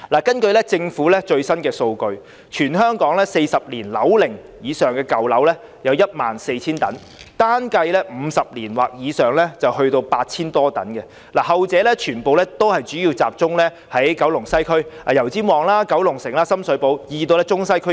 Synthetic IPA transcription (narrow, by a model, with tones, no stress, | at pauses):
laː˨˩kɐ˥nkɵ˧ɥlɛ˥t͡sɪ˧ŋfuː˨˥lɛː˥t͡ʃɵ˧ɥsɐ˥nkɛː˧so˧wkɵ˧ɥ | t͡ʃʰyː˨˩nhœː˥ŋkɔː˨˥ŋlɛː˥se˧jsɐ˨p̚liː˨˩nlɐ̰˨˥wlɪ˨˩ŋ | jiː˨˧sœː˨˩ŋkɛː˧kɐ˨˩wlɐ˨˥wlɛː˥ | jɐ˨˧wjɐ˥t̚ma̰ː˨nse˧jt͡sʰiː˥nt̪ɐ̰˨˥n | t̪aː˥nkɐ˧jlɛː˥m̩ː˨˧sɐ˨p̚liː˨˩nwaː˨˩k̚jiː˨˧sœː˨ŋlɛ˥t͡sɐ˨whɵ˧ɥt̪o˧wpaː˧t̚t͡sʰiː˥nt̪ɔː˥t̪ɐ̰˨˥nkɛ˧ | laː˨˩hɐ˨wt͡sɛː˨˧˥lɛ˥t͡ʃʰyː˨˩npo˨˧wlɛ˥t̪o˥whɐ˨jt͡ʃyː˨˥jiː˧wt͡saː˨p̚t͡ʃʊ˥ŋlɛː˥ | hɐ˨˥jkɐ˨˥wlʊ˨˩ŋsɐ˥jkʰɵ˥ɥa˨jɐ˨˩wt͡siː˥mwɔː˨˩ŋlaː˥kɐ˨˥wlʊ˨˩ŋsɪ˨˩ŋlaː˥sɐ˥msɵ˨˥po˨˥wjiː˨˧t̪o˧wlɛ˥t͡sʊ˥ŋsɐ˥jkʰɵ˥